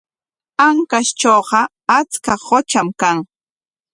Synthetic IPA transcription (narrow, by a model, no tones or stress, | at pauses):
aŋkast͡ʃoːɢɑ | at͡skahot͡ʃamkaŋ